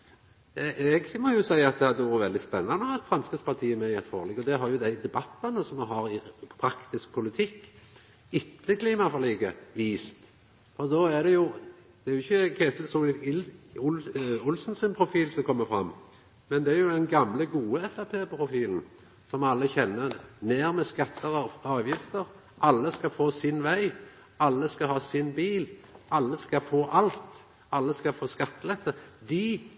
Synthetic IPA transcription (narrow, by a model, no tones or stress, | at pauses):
ʔɛɡmɔjʊsæɪəɑt̪̚d̪ɛhɑd̪əʋuːɾəʋɛld̪ɪspɛnːɑnəɑt̪fɾɑnskət̪spɑt̪ʰiːmɛɪɛt̪fɑ̰ːʁlɛɡɔd̪ɛɦɑɾjʊd̪æɪd̪ɛbɑt̪ːɑnəsɔmɦɑɾɪpʰɾɑkt̪ɪsk̚pʰʊlɪt̪ʰɪkː | ɪt̪ʰːəkʰliːmɑfɔliːɡəʋiːst̪ | fɔɾd̪ɔæd̪ɛjʊ | d̪̥ɛæɾjʊɪçːəkʰeːt̪lsɔːlɪt̪ɪlʊʊlsnsənpʰɾʊfiːlsɔkʰɔmːəfɾɑ̰mː | mɛnd̪ɛæɾjʊd̪ɛnɡɑmləɡuːəɛfæpʰeːpʰɾʊfiːln̩ | sɔmɑlːəçɛnːəneːɾmɛskɑt̪ʰːəɾɑɑːʋjɪft̪əɾ | ʔɑlːəskɑfoːsɪnʋæɪ | ʔɑlːəskɑhɑːsɪnbiːlʔɑlːəskɑfoːʔɑlt̪ | ɑlːəskɑfoːskɑt̪ːəlɛt̪ːəd̪ɪ